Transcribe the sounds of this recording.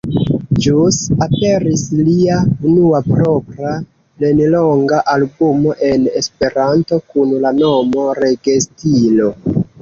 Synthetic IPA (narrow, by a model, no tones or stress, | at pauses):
d͡ʒusape̞ɾisliaunuapɾo̞pɾa | lenloŋɡaʔalbumo̞ʔe̞ne̞spe̞ɾanto̞kunlanomo̞ɾe̞ɡestilo̞